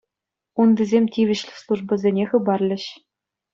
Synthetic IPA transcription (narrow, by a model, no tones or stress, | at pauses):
undʲizʲemʲtʲiʋʲɘ̆ɕlʲɘ̆slˠuʐbɤ̆zʲenʲeχɤ̆bɑrlʲɘ̆ɕ